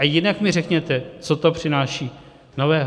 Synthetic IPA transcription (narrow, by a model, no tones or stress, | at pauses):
ajɪnakmɪrɛkɲɛt̪ɛt͡sot̪o̞pr̝̥ɪnaːʃiː | no̞vɛːɦ